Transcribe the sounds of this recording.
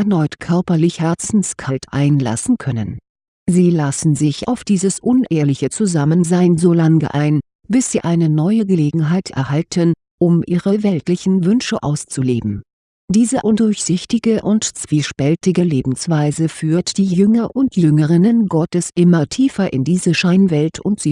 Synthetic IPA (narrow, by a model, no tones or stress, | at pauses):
ʔɛɐnɔʏtkʰœɐpɐlɪçhɛɐt͡sn̩skʰaltʰʔa̰ɪnla̰sn̩kʰœnə̰n | ziːlasn̩zɪçʔa̰ʊfd̥iːzəsʔʊnʔeːɐlɪçət͡suzamənzaɪənzoːlaŋɡə̰ʔaɪn | b̥ɪsz̥iːʔaɪnənɔʏəɡəleːɡŋ̩ɦaɪtʰʔɛ̰ɐhaltʰən | ʔʊmʔiːʁəvɛltlɪçn̩vʏnʃəʔa̰ʊst͡suleːbm̩ | d̥iːzəʔʊndʊɐçz̥ɪçtɪɡəʔʊntt͡sv̥iːʃpɛltɪɡəleːbm̩sv̥aɪzəfyːɐtd̥iːjjʏŋɐʔʊntjʏŋəʁɪnənɡɔtəsʔɪmɐtʰiːfɐʔɪ̰ndiːzəʃaɪnvɛltʰʊntz̥iː